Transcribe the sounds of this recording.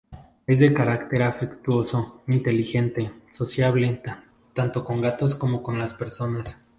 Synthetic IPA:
e̞zðekaɾakt̪e̞ɾafekt̪wo̞so̞int̪e̞lixe̞nt̪e̞so̞sjaβlet̪a | t̪ant̪oko̞ŋɡat̪o̞sko̞mo̞ko̞nlaspe̞ɾso̞nas

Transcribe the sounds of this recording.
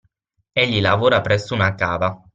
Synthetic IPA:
eʎːilavoːɾapɾɛsːounakaːva

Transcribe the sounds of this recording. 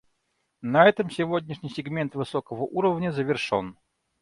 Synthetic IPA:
nɐɛt̪əmsʲɪvodʲnʲɪʂnʲɪjsʲɪɡmʲent̪vɨsokəvəʔuɾəvnʲəzəvʲɪrʂo̰n

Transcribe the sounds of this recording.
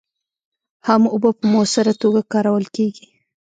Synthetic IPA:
hamʊbəpəmosəɾat̪oɡakɑɾawəlkeɡi

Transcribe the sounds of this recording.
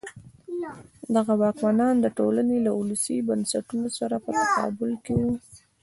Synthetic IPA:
d̪aɣawɑkmanɑnd̪əʈolanelaʔulusibansaʈunosaɾapət̪akɑ̰bʊlkewu

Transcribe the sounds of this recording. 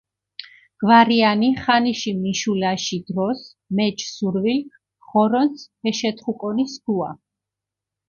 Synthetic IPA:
ɡ̥vaɾianiχaniʃimiʃulaʃid̪ɾɔs | mɛt͡ʃʰsuɾvilk | χɔɾɔnshɛʃɛt̪ʰʼχukʼɔnisɡua

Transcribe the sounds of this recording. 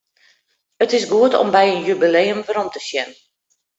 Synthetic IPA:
ətɪsɡuətɔ̰mbɛjənjybileːəmʋəɾɔmtəsjɛnə

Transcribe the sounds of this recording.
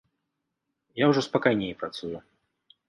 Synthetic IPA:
jawʐɔspakajnʲejpɾat̪suju

